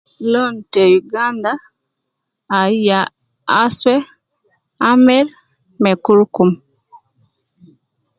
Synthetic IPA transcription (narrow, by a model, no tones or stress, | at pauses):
lɔntɛjuɡanda | ija | aswɛ | amɛɾ | mɛkuɾkum